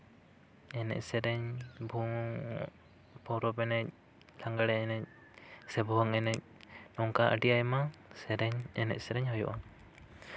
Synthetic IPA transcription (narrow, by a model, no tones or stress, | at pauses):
ɛnɛ̰ʔsɛɾɛɲbʱuŋŋ̰ | pɔwɾɔpɛnɛc̚ | laŋɡaɽɛɛnɛc̚ | sɛbuɦaŋɛnɛc̚nɔŋkaʔə̰ʈijajɛmasɛɾɛɲɛnɛ̰ʔsɛɾɛɲhɔjɔ̰ʔa